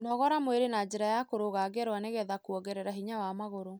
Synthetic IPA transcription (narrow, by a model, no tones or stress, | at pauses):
nɔɣɔɾamweɾenad͡ʑeɾajakoɾoɣaɡɛɾwaneɣɛðakuɔɡɛɾɛɾaɦiɲawamaɣoɾo